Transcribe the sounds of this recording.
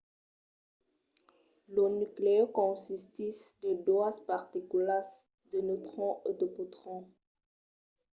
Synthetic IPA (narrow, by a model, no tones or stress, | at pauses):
lonyklekɔ̃sist̪isd̪ədwaspaʁt̪ikulas | d̪ənot̪χɔ̃ʔot̪opot̪χɔ̃